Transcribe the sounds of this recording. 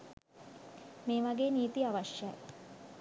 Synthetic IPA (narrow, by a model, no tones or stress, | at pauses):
meːʋaɡeːniːt̪iaʋaʃja̰j